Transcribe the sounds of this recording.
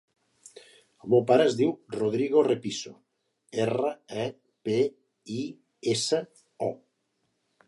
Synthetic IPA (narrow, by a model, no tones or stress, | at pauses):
omewpaɾaezðiwroð̞ɾiɣorepiso | eraɛ | pe | i | esa | ɔ